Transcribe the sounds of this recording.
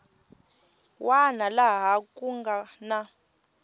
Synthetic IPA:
wanalaɦakʼuŋɡana

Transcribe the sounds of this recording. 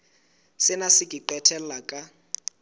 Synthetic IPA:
sɪnasɪkʼiǃɛtʰɛl̩lakʼa

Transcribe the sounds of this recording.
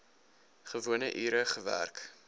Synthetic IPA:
χəvuənəʔiːɾəχəvæ̰rk

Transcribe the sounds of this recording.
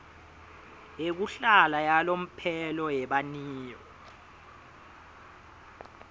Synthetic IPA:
ek̬uɬalajalom̩pʰɛlɔjɛɓaniːjɔ

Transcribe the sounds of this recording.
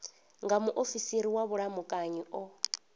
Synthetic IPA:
ŋɡamuʔofisiɾiwaβuɺamukʼaɲiʔɔ

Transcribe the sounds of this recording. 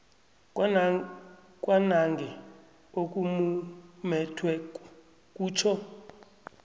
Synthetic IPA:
k̬ʼwanaŋɡɛ | ok̬ʼumumɛtʰwɛ | k̬ʼuːt͡ʃʰɔ

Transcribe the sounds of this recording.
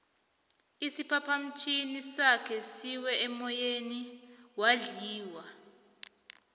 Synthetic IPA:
isipʰapʰam̩t͡ʃʰʼinisakʰɛsiwɛɛmɔjeniwaɮiːwa

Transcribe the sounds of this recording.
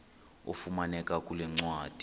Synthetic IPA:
ṵfumanɛkʼakʼulɛŋ͡ǀwaːd̥ʱi

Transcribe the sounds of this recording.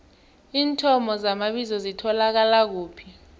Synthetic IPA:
iːntʰɔmɔzamaɓizɔzitʰɔlak̬alak̬uːpʰi̥

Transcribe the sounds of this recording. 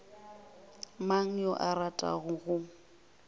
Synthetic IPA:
maŋ̩jɔʔaɾatʼa̰ɣʊɣʊ

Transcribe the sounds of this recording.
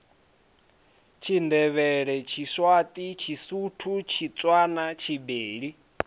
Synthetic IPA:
t͡ʃʰindɛβɛɺɛt͡ʃʰiswat̪ʼit͡ʃʰisutʰut͡ʃʰit͡sʼwanat͡ʃʰibeːɺi

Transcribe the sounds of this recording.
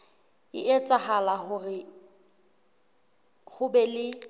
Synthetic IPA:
ɪʔet͡sʼahalahʊrɪ | hʊbɛlɪ

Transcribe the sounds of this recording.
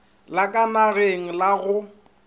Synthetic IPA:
lakʼanaɣeŋ̩laɣʊ

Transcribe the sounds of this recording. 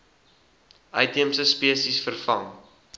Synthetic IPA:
ʔɐjtimsəspiəsisfərfɐŋ

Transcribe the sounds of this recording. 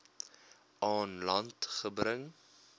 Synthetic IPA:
ʔɑːnlɐntχəbɾəŋ

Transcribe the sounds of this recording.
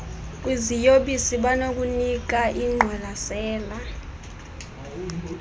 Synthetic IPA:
k̬ʼwizijoɓisiɓanok̬ʼunik̬aʔiŋ͡ǃʱwalasɛːla

